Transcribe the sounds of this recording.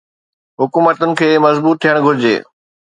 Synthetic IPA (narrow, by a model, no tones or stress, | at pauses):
ɦʊkuːmət̪ʊnɪ̆kʰeːmɐzbuːt̪ʰːijəɽ̃ɡʱʊɾɪd͡ʑḛː